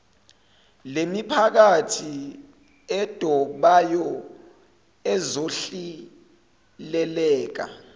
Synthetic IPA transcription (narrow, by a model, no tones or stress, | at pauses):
lemipʰak̬atʰi | ɛd̥ʱɔɓajɔ | ɛzoɬi | lɛlɛːk̬a̰